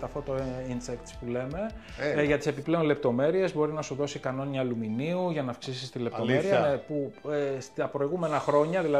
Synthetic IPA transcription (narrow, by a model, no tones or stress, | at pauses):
t̪ɐft̪ot̪oinsekt̪spule̞me̞ | ʝɐt̪i̥se̞piple̞onle̞p̚t̪o̞me̞ɾie̞zbo̞ɾinɐsuðo̞sikɐno̞ɲɐːluminiuʝɐnɐfksisist̪ile̞pt̪omeɾiɐepust̪ɐpɾo̞iɣume̞nɐxɾo̞ɲɐðilɐ